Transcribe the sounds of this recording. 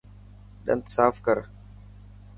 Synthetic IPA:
ɗa̰ntsaːfkaɾ

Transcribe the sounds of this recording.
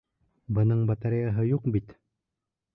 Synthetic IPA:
bɤ̆nɤɴbɑt̪aɾijaɦɤjuqbit̪

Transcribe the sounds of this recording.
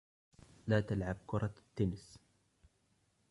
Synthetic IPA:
laːt̪alʕab̚kʊɾˤɑt̪ːʊnɪs

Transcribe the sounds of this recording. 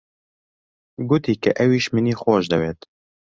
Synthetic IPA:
ɡʊt̪iːkɛ̰ʔɛwiːʃmɨniːxɔːʒd̪ɛweːt̪

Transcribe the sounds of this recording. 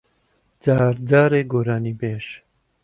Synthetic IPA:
d͡zaːɾdaːɾeːɡoːɾaːniːbeːʃ

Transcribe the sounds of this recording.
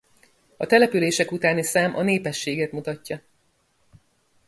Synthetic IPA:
ɒt̪ɛlɛpyleːʃɛkut̪aːnisaːmʔɒ̰neːpɛʃːeːɡɛt̪mut̪ɒcːɒ

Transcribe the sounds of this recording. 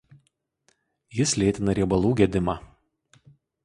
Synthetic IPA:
jɪslʲeːt̪ʲɪnɐɾʲiɛbɐlˠuːɡʲɛd̪ʲɪmɑː

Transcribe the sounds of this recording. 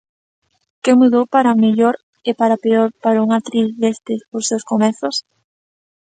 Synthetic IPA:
kemuðowpaɾameʎoɾ | epaɾapeoɾpaɾauŋat̪ɾiθðest̪esposewskomeθʊs

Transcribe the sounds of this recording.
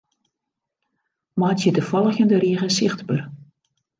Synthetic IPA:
maːtjədəfɑlˠəɣəndəɾiːɣəsɪxtbər

